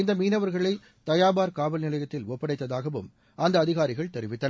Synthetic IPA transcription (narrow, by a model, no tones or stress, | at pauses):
ɪnd̪ɐmiːnɐʋɐɾɣɐɭɐɪ | t̪ɐjaːbaːɾkaːʋɐlnɪlɐjɐt̪ːɪlɔpːɐɽɐɪt̪ːɐðaːɣɐʋɯm | ɐnd̪ɐːðɪɣaːɾɪɣɐɭt̪ɛɾɪʋɪt̪ːɐn